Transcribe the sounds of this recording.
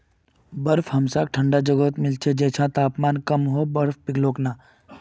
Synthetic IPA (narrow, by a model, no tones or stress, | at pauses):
bəɾfɦɐmsaːk̚ʈʰəɳɖad͡ʒəɡoːt̪mɪlt͡ʃʰed͡ʒeːt͡ʃʰãt̪aːpmaːnkəmɦobɐɾfpɪɡloːknaː